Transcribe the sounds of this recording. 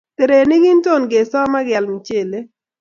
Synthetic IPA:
t̪e˨ɾe˨nɪ˦ɡi˦nto˦˨nɡe˨sɔ˦ma˦ɡɛ˨lmi˨t͡ʃe˨le˦

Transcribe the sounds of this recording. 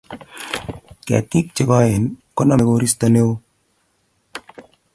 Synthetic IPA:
kɛ̰˨ti˦k̚t͡ʃɪ˨kɔ˦ɪ˨nkɔ˦na˦˨me˨ko˦ɾi˦sta˨ne˦w

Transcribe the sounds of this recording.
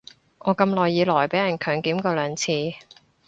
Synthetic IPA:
ŋɔː˨˧kɐ˧mlɔː˨˩jːiː˨˧lɔː˨˩jpe˨˥jɐ˨˩nkʰœː˨˩ŋkiː˨˥mkɔː˧lœː˨˧ŋt͡sʰiː˧

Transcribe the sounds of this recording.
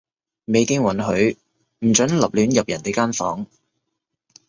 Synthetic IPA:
me˨˧jkɪ˥ŋwɐ˨˥nɦɵ˨˧˥ɥ | m̩˨˩t͡ʃɵ˨˥nlɐ˨p̚lyː˨˥njɐ˨p̚jɐ˨˩nt̪e˨jkaː˥nfɔ̰ː˨˥ŋ

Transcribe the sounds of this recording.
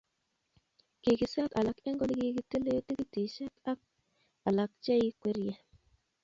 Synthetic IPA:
ki˨ɡi˨sa˦ka˨la˨ke˦ŋɡo˦lɡi˦ɡi˦ti˦le˦ti˦ɡi˦ti˨ʃe˦ka˦k̚ | a˨la˨k̚t͡ʃa˦i˦kʷe˦ɾje˦

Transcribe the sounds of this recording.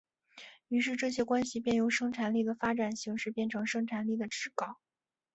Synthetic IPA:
y˧˥ʂɻ̩˥˧ʈ͡ʂɤ˥˩ɕjɛ˥kwa˥nɕi˨˩p̬jɛ˥˩njo˧˥ʊʂɤ˥ŋʈ͡ʂʰa˧˥nli˥˩d̪ə˩fa˥ʈ͡ʂa˨˩nɕi˧˥ŋʂɻ̩˥˧pjɛ˥˩nʈ͡ʂʰɤ˧˥ŋʂɤ˥ŋʈ͡ʂʰa˧˥nli˥˩d̪ə˩ʈ͡ʂɻ̩˥kɑ˨˩ʊ

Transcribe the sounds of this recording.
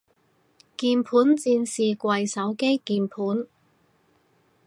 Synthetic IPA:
kiː˧npʰuː˨˥nt͡siː˧nsiː˨kʷɐ˨jsɐ˨˥wke˥jkiː˨˧npʰuː˨˥n

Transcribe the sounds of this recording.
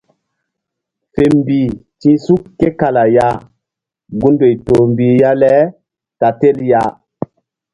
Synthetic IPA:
fe˨mbi˨tĩ˦su˦kːe˦ka˨la˨ja˦ | ɡu˦ndo˨jto˨mbi˨ja˦lɛ˦ | ka˨te˦lja˦

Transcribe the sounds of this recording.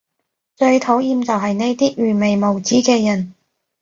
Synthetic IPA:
t͡ʃɵ˧ɥt̪ʰo˨˥wjiː˧mt͡sɐ˨wɦɐ˨jne˥jt̪iː˥ɥyː˨˩me˨jmo˨wt͡siː˨˥kɛː˧jɐ˨˩n

